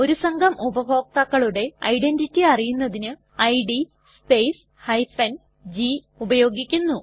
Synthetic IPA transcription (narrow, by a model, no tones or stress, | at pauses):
o̞ɾusɐŋɡʱɐmubɐbʱo̞ːk̚t̪ɐkːɐɭuɽe̞ɐ̰jɖenditːiɐrijunːɐðinɨ | ɐjɖi | speːs | hɐjfɐn | d͡ʑi | ubɐjo̞ːɡikʲːunːu